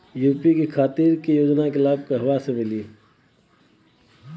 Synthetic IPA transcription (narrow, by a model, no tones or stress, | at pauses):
juːpikikʰaːt̪iːɾkijoːd͡ʒnakelaːb̚keɦɐwasemɪliː